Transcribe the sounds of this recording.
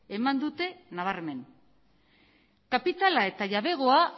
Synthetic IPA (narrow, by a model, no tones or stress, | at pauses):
emand̪ut̪e̞naβ̞areme̞n | kapit̪alae̞t̪aʎaβe̞ɣ̞o̞a